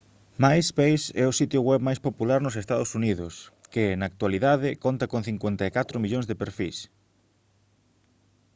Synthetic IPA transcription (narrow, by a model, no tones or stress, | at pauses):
majspejsɛʊsit̪jʊɣwɛβmajspopulaɾnʊsest̪aðʊsuniðʊskɪnaːk̚t̪waliðaðɪkont̪ɐkonθiŋkwent̪aekat̪ɾʊmiʎõŋzðepeɾfḭs